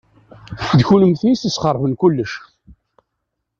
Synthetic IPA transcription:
θfəd̪çuləmθnisəsχəɾˤvənkʊlːəʃ

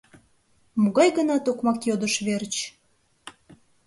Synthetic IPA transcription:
muɣɑjɣənɑt̪okmɑkjod̪ə̆ʃβert͡ɕ

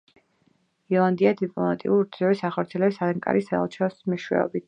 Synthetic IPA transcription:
iɔlˠand̪iad̪ipʼlˠɔmat̪ʼḭuɾd̪zɔɾisaχɔɾt̪sʰiɛlɛbisad̪aŋkʼa̰ɾʔisaɛ̰lˠt͡ʃʰɛɔsmiʃwɛ̰ɔ̰bit̪

